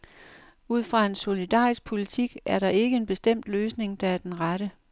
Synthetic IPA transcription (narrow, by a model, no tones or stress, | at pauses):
uð̞̰ˠfʁɑ̈e̝nso̝lid̥ɑ̰ːisɡ̥̚pʰo̝lit͡sʰiɡ̥æɐɾɑ̈ʔe̝ɡ̥əe̝nb̥e̝sd̥em̰d̥løːsne̝ŋd̥ɑ̈æɐd̥enʁaɾ̥ə